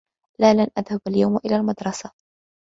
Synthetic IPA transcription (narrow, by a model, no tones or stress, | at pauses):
laːlanʔaðhabaljawmʔɪlaːlmad̪ɾˤɑsa